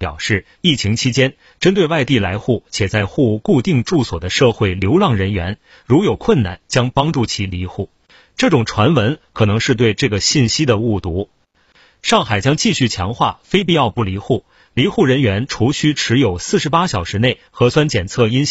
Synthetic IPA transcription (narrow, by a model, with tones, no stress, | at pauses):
pjɑ̰˨˩ʊʂɻ̩˥˩ | i˥˩t͡ɕʰi˧˥ŋt͡ɕʰi˥t͡ɕjɛ˥n | ʈ͡ʂə˥nt̪we˥˧ɪwa˥˧ɪt̪i˥˩la˧˥ɪxu˥˩t͡ɕʰjɛ˨˩t͡sa˥˧ɪxu˥˧ku˥˧t̪i˥˧ŋʈ͡ʂu˥˩swɔ̰˨˩d̪ə˦ʂɤ˥˧xwe˥˩ɪljo˧˥ʊlɑ˥˩ŋɻə˧˥nɥɛ˧˥n | ɻu˧˥jo˨˩ʊkʰwə˥˩nna̰˥˩nt͡ɕjɑ˥ŋpɑ˥ŋʈ͡ʂu˥˩t͡ɕʰi˧˥li˧˥xu˥˩ | ʈ͡ʂɤ˥˩ʈ͡ʂʊ˨˩ŋʈ͡ʂʰwa˧˥nwə˧˥nkʰɤ˨˩nɤ˧˥ŋʂɻ̩˥˧t̪we˥˧ɪʈ͡ʂɤ˥˩ɡə˩ɕi˥˩nɕi˥d̪ə˨u˥˩t̪u˧˥ | ʂɑ˥˩ŋxa˨˩ɪt͡ɕjɑ˥ŋt͡ɕi˥˧ɕy˥˩t͡ɕʰjɑ˧˥ŋxwa̰˥˩fe˥ɪpi˥˧ɑ˥˧ʊpu˥˩li˧˥xu˥˩ | li˧˥xu˥˩ɻə˧˥nɥɛ˧˥nʈ͡ʂʰu˧˥ɕy˥ʈ͡ʂʰɻ̩˧˥jo˨˩ʊsɹ̩˥˩ʂɻ̩˧˥pa˥ɕjɑ˨˩ʊʂɻ̩˧˥ne˥˩ɪxɤ˧˥swa˥nt͡ɕjɛ˨˩nt͡sʰɤ˥˩i˥nɕ